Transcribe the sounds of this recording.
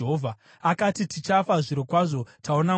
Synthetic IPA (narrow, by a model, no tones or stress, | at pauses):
ɦovʱa | akatitit͡ʃafaʐiɾokwaʐo̞tʰaona